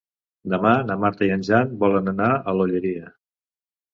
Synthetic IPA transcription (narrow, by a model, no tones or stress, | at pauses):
d̪əmanəmaɾt̪əiənʲʒanbɔlənənaəloʎəɾiə